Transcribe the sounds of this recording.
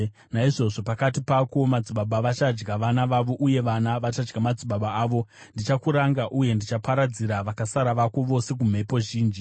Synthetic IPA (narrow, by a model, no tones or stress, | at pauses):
naiʐo̞ʐo̞pakatipako̞mad͡ziɓaɓaʋat͡ʃad͡ʒɡaʋanaʋaʋo̞ʔuje̞ʋanaʋat͡ʃad͡ʒɡamad͡ziɓaɓaaːʋo̞ndit͡ʃakuɾaŋɡaʔuje̞ndit͡ʃapaɾad͡ziɾaʋakasaɾaʋako̞ʋo̞se̞k̬um̤e̞po̞ʒiːnd͡ʒi